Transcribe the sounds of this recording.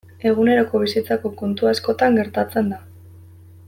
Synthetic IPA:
e̞ɣune̞ɾo̞ko̞β̞isit͡sako̞ko̞nt̪uasko̞t̪aŋɡe̞ɾt̪at͡se̞nd̪a

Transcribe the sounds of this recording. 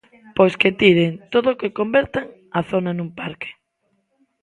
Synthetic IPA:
pojsket̪iɾent̪oðoːkekombeɾt̪aŋ | aθonanumpaɾke̥

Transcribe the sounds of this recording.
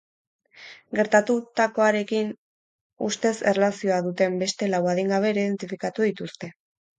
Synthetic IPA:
ɡe̞ɾt̪at̪ut̪ako̞aɾe̞kin | ust̪e̞se̞relasio̞aðut̪e̞mbe̞st̪e̞lawaðeŋɡaβ̞e̞ːɾiiðe̞nt̪ifikat̪uðit̪ust̪e̞

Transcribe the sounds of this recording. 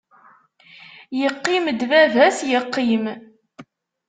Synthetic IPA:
jəqːiməd̪vævæsjəqːim

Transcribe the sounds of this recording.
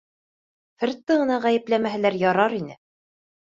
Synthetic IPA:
fɘ̆ɾt̪ːɤʁɤ̆nɑʁæjɘ̆plæmæɦɘ̆læɾjɑɾɑɾinɘ̰

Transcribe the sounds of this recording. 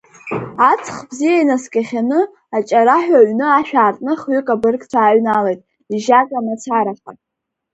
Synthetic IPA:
at͡sʰχbzijainaskʲʼaχʲanɨ | at͡ʃʼaɾaħᶣaɥnɨaʃᶣaːrtʼnɨχɥʏkʼabɨrkʼt͡sʷʰaːɥnalejtʼ | iʒakʼamat͡sʰaɾaχʲa̰

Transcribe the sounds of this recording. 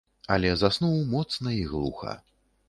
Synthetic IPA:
ɐlʲɛzasnuwmɔt̪snɐiɣlˠṵxɐ̰

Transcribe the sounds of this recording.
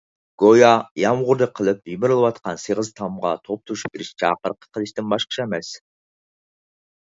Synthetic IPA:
ɡ̥ojɑjɑmʁʊɾd̪ɨqʰəlˠɨp̚jibɪɾɨlˠɨwɑt̪qɑnsɨʁəzt̪ʰɑmʁɑ̰t̪ʰop̚t̪ʰuʃu̥bɪɾɪʃt͡ʃʰɑ̰qəɾqə̥qʰəlˠɨʃt̪ɪnbɑʃqə̥t͡ʃʰɛmɛs

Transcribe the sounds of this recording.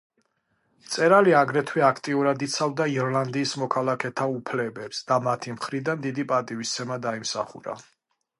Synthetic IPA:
t̪sʼɛɾaliaɡɾɛt̪ʰwɛakʰt̪ʼiuɾad̪it̪sʰavd̪aiɔɾlˠand̪iːsmɔkʰalˠakʰɛt̪ʰaupʰlɛbɛpsd̪̥amat̪ʰimχɾid̪and̪id̪ipʼat̪ʼivist̪sʰɛmad̪aimsaχṵɾa̰

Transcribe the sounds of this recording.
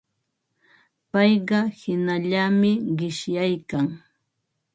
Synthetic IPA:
pɑjɢɑhɪnaʎamɪɢɪʃjajkaŋ

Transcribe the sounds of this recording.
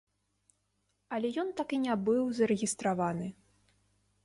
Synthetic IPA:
ɐlʲɛjɔnt̪akinʲabɨwzɐɾɛɣʲist̪ɾavanɨ

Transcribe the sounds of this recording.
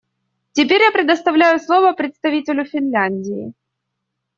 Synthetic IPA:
tʲɪpʲeɾʲjapɾʲɪd̪əst̪ɐvlʲæjʊslˠovəpɾʲɪt̪st̪ɐvʲitʲɪlʲʊfʲɪnlʲanʲdʲɪɪ̰

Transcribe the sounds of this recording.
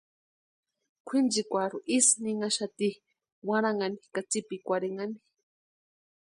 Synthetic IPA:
kʷʰind͡ʒikʷaɾuʔisniŋaʃat̪i | waɾaŋanikat͡sipikʷaɾeŋani

